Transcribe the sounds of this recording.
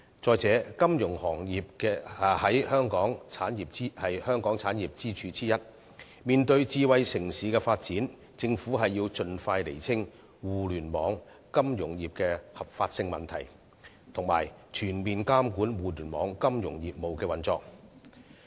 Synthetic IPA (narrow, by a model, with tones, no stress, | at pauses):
t͡sɔː˨jt͡sɛː˨˥kɐ˥mjʊ˨˩ŋhɔː˨˩ŋjiː˨p̚kɛː˧˨hɐ˨˥jhœː˥ŋkɔː˨˥ŋt͡sʰaː˨˥njiː˨˩p̚t͡siː˥hɐ˨jhœː˥ŋkɔː˨˥ŋt͡sʰaː˨˥njiː˨p̚t͡siː˥t͡ʃʰyː˨˥t͡siː˥jɐ˥t̚ | miː˨nt̪ɵ˧ɥt͡siː˧wɐ˧jsɪ˨˩ŋsiː˨˥kɛː˧faː˧t̚t͡siː˨˥n | t͡sɪ˧ŋfuː˨˥ɦɐ˨jːiː˧wt͡sɵ˧nfaː˧jlḛ˨˩jt͡sʰɪ˥ŋ | wuː˨lyː˨˩nmɔː˨˧ŋ | kɐ˥mjʊ˨˩ŋjiː˨p̚kɛː˧hɐ˨p̚faː˧t̚sɪ˧ŋmɐ˨˩nt̪ʰɐ˨˩j | t̪ʰʊ˨˩ŋma̰ː˨˩jt͡ʃʰyː˨˩nmiː˨nkaː˥mkuː˨˥nwuː˨lyː˨˩nmɔ̰ː˨˧˥ŋkɐ˥mjʊ˨˩ŋjiː˨p̚mo˨wkɛː˧wɐ˨nt͡sɔː˧k̚